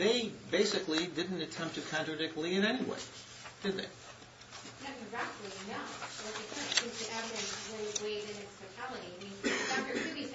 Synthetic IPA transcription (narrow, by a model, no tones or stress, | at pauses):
ðeɪbeɪsɨklidɪdⁿn̩tɨtʰɛ̃mp̚tʰɨkʰɑ̃nt͡ʃɹ̥ɨdɪk̚tˡliɨ̃nɛniwḛɪ | d̥ɨd̪̚ðḛɪ | nɨkʰɨ̃nɹæpdˡlinoʊlʌt̪̚ɨkʰɪ̃st͡ʃɨ̃nz̥tʰɨʔɛvɨɾɨ̃nswɪzweɪɾɨ̃nɨ̃tstʰoʊtʰælˠəɾiɪmĩnɨfaʊə˞tʰʉɾiz